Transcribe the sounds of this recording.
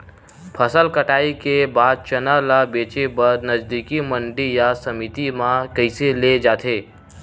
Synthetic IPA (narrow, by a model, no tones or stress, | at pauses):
pʰəsəlkəʈaːikebaːd̪̚t͡ʃənalabeːt͡ʃebəɾnəd͡ʒd̪ikiməɳɖijasəmit̪imãkəɪseled͡ʒaːt̪ʰeː